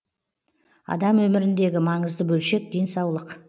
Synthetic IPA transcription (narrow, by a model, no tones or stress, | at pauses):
ɑ̰d̪ɑmwɵmɪɾɪnd̪e̞ɡʲɪmɑɴəzd̪əbɵlʃe̞k̚d̪e̞nsɑwlˠəq